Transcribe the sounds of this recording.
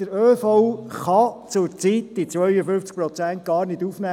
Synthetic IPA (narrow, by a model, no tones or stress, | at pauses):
əɾøːfɔχɑt͡sʊɾt͡siːtd̥̪it͡sʋœʏəfʏft͡sk̚pɾɔt͡sænt̚ɡ̥ɑːɾnɪduːfnæː